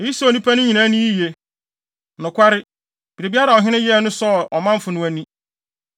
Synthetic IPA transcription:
e˨˦i˦so˨nũ˦pʰa˦nʊ̃˦ɲĩ˨nã˦nʊ̃˦i˦je˨ | nʊ̃˨kʷa˦ɾɪ˦ | b̥i˨ɾe˨bi˦a˦ɾa˨ɔ˨ɦɪ̃˦ɪ̃˦jɛ˦˨nʊ̃˦sɔ˦˨ɔ˨mã˦m̩˦fʊ˨nʊ̃˦æ˦nĩ˦

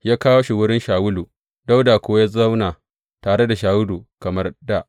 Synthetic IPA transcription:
jaː˦kaː˦wo˦ʃi˨wʊ˦ɾɪ˦nʃaː˨wʊ˦luː˨ | da˦wdaː˨kʷoː˦ja˦za˦wnaː˨ | taː˨ɽe˦da˨ʃaː˨wʊ˦lu˨kɐ˨mɐ˦rda˦˨ʔ

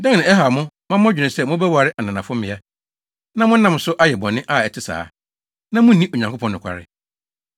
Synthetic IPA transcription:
dɛ̃˦ŋnã˨ɛ˦ɦa˨mʊ̃˦ | mã˦mː˦ã˦d͡ʑᶣɪ̃˨sɛ˦˨mʊ̃˦bɛ˦wa˨ɾɪ˦ʔa˨nã˨nã˨fʊ̃˦mɪ̃˨˦a˦ | nã˦mʊ̃˦nã˨m˨sʊ˦ʔa˦jɛ˨bɔ̃˨nːɪ̃˦ʔa˦˨ɛ˨tʰɪ˦sa̰ː˨˦ | nã˦mʊ̃˦nĩ˦ʔo˨ɲã˨ŋkʰʷo˦pʰɔ̃˦nːʊ̃˨kʷʰa̰˨ɾɪ̰˦˨

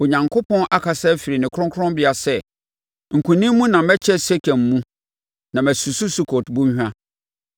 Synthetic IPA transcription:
o˨ɲã˨ŋkʰo˦pʰɔ̃˦nʔa˦kʰa˨sɛ˦fi˨ɾi˨nɪ̃˨kʰɾɔ̃˦kʰɔ̃˦mbɪ˦a˨sɛ˦˨ | ŋ̩˨kʰũ˨nĩ˦mmũ˦nã˨mɛ˦t͡ɕʰɛ˦sɛ˦kʰæ̃˨mːũ˦ | nã˨mæ˨su˨su˦su˦kʰo˨tbũ˦ɲ˦hᶣã˦

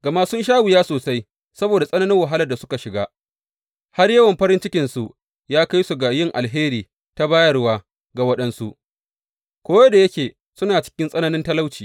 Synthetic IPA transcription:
ɡɐ˨ma˦sʊ˦nʃ̬aː˦wʊ˨jaː˦soː˨sa˦j | sɐ˦boː˨da˨sʼɐ˦nɐ˦nɪ˦ŋwɐ˨ɦa˦lɐ˨rda˨sʊ̥˦ka˨ʃɪ˨ɡaː˦ | ha˦rjɐ˦wɐ˨mɸɐ˦ɾɪ˦nt͡ʃɪ˦kʲɪ˨nsu˨ʔ | jaː˦ka˦jsu˨ɡa˨jɪ˦ŋʔa̰˨lɦeː˦ɾiː˨ | ta˦baː˦jɐ˦rwaː˦ | ɡa˨wɐ˦ɗɐ˦nsu˦ʔ | kʷoː˦jɐ˦da˨jɐ˦kʲeː˨ | sʊ˦naː˨t͡ʃɪ̥˦kʲɪ˦nsʼɐ˦nɐ˦nɪ˦ntɐ˦la˦wt͡ʃiː˨

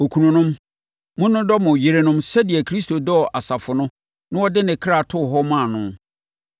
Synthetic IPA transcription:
o˨kʰu˨nũ˨nʊ̃˦m | mʊ̃˦nʊ̃˦dɔ˦mʊ̃˨ji˨ɾe˨nʊ̃˦msɛ˦di˨ɛ˨kʰɾi˦sto˨dɔ˦˨ʔa˨sa˨fʊ˨nʊ̃˦ | nʊ̃˦ɔ˦dɪ˦nɪ̃˨kʰɾa˨tʰʊ˦˨ɦɔ˦mã˦˨nʊ̃˦

